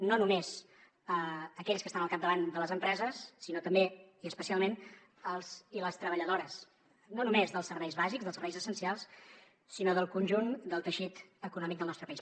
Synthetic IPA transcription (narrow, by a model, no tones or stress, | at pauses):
nonumez | əəkɛʎskəst̪anəlˠkap̚d̪əβand̪ələzəmpɾɛzəsːinot̪əmbeiəspəsialˠmen | əlˠziləst̪ɾəβəʎəðoɾəs | nonumezðəlˠsəɾβɛjzβazikzðəlˠsəɾβɛjzəsənsialˠs | sinoðəlˠkunʲʒund̪əlˠt̪əʃit̪əkunɔmik̚d̪əlˠnɔst̪ɾəpəis